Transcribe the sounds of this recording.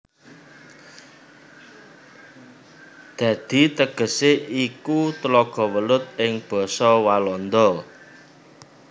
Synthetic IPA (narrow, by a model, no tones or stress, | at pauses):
d̪̥ä̤d̪̥i̤t̪əɡ̥ə̤seʔikut̪əlɔɡ̥ɔ̤wəlʊt̪̚ɪŋb̥ɔ̤sɔwalɔnd̪ɔ